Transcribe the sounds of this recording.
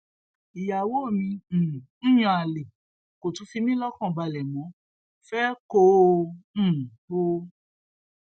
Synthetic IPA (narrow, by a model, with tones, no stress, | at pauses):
i˨ja˨wo˦˨mĩ˧˨˦j̃ɔ̃˧a˨le˨ | ko˨tũ˨˦fi˧mĩ˦lɔ˦kɔ̃˦˨ba˧˨lɛ˨mɔ̃˨˦ | fɛ˦kõ˦˨ | bo˦